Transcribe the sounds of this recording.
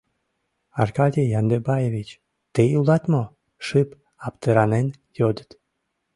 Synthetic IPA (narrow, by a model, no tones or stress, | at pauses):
ɑrkɑdʲijɑnd̪ebɑjevʲit͡ɕ | t̪eulˠɑt̪mo | ʃɨp | ɑpt̪əɾɑnen | jod̪ət̪